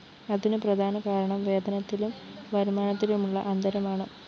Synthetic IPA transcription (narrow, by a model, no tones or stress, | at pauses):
ɐðinɨprɐd̪ʱaːnɐkaːɾɐɳɐmʋe̞ːd̪ɐnɐt̪ːilumʋɐɾumaːnɐt̪ːilumuɭːɐʔɐnd̪ɐɾɐmaːɳɨ